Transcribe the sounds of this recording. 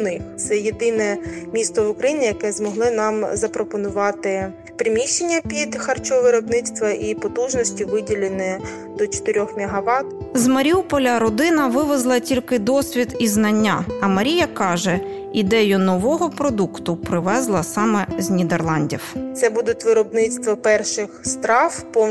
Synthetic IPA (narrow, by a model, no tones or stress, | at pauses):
nɪxt̪sɛjed̪ɪnɛmʲist̪ɔʋʊkɾɐjinʲijɐkɛzmɔɦlˠɪnɑmzɐpɾɔpɔnʊʋɑt̪ɪ | pɾɪmʲiʃt͡ʃːenʲːɐpʲid̪xɐrt͡ʃɔʋɪɾɔbnɪst̪ʋɐʔipɔt̪uʒnɔsʲtʲiʋɪdʲilʲɪnɪ | d̪ɔt͡ʃɔ̥t̪ɪɾʲɔxmʲiɦɐʋɑt̪zmɐɾʲiupɔlʲɐɾɔd̪ɪnɐʋɪʋezlˠɐtʲilʲkɪd̪ɔsʲʋʲid̪iznɐnʲːaɐmɐɾʲijɐkɑʒɛ | id̪ɛjʊnɔʋɔɦɔpɾɔd̪ukt̪ʊpɾɪʋɛzlˠɐsɑmɛznʲid̪erlˠɑnʲdʲiwt̪sɛbud̪ʊtʲʋɪɾɔbnɪst̪ʋɔpɛrʃɪxst̪ɾɑwpɔ